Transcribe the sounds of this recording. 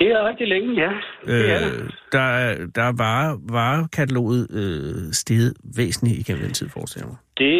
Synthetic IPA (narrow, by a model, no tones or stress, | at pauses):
d̥e̝æʁɛɡ̥̚d̥ileŋəjæød̥ɑ̈æd̥ɑ̈ʋɑʋɑ̈ːkʰæt͡sʰælo̝̰ːð̩ˠøsd̥e̝ːð̩ˠʋḛːsn̩liiɡ̥em̰n̩d̥ent͡sʰið̰ˠfɒ̰ːsd̥el̰ɐmad̥e̝